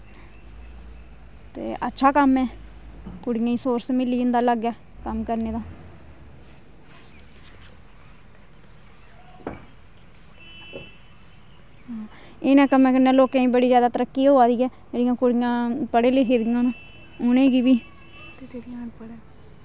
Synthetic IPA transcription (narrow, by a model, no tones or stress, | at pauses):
t̪ḛːʔətːʃʰaːkəmɛː | kʊɽɪjãːĩːsoːɾsmɪlːiːd͡ʒɪnd̪aːləɡɛː | kəmkəɾneːd̪aː | ɦaː | ɪnɛ̃ːkəmẽːkəɾnɛ̃ːloːkẽːĩːbəɽiːzjaːd̪aːt̪əɾəkːiːoːaːd̪iːɛːd͡ʒeːɽijãːkʊɽɪjãːpəɽeːleiːkʰeːd̪ijãːnũː | ʊnẽːɡiːbiː